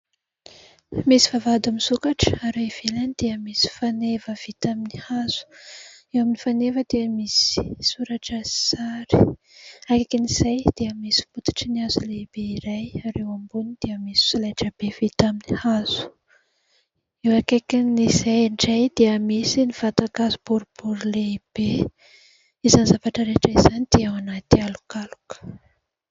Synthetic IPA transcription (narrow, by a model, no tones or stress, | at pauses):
misivavad̪amizukaʈ͡ʂə̥aɾaiv̥elanid̪̥eəmisi̥fanevəv̥it̪aminihaz̥u̥ | ewaminifanevəd̪̥eəmisii̥suɾaʈ͡ʂəsaɾi̥ | akekiniz̥ajd̪̥eəmisi̥mut̪ḁʈ͡ʂəniazulebeiɾajaɾewambunid̪̥eəmisi̥sulaʈ͡ʂəb̥evit̪aminihaz̥u̥ | ewakakiniz̥ajɳɖ͡ʐajd̪̥eəmisinivat̪akazubuɾub̥uɾuleb̥e | izanzavaʈ͡ʂəɾeʈ͡ʂaizanid̪̥eawanat̪ialu̥kalu̥kə̥